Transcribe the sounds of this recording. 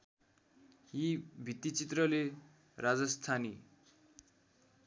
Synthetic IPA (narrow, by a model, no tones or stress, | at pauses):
ɦibʱit̪it͡sit̪rʌle | rad͡zʌst̪ʰani